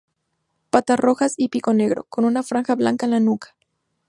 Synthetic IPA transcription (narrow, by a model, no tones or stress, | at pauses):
pat̪aro̞xasipiko̞ne̞ɣɾo̞̰ko̞nunafɾaŋxaβlaŋkaenlanukḁ